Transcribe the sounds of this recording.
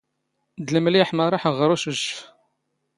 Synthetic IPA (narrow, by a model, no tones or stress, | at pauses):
d̪ləmliħməɾˤɑħəʁɾˤuʃəʒəf